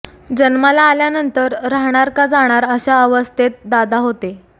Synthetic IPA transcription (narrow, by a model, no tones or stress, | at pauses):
d͡ʑənmalaːljanənt̪əɾːaɦɽ̃aɾkad͡zaɽ̃aɾəɕaəʋəst̪ʰet̪̚d̪ad̪aɦot̪e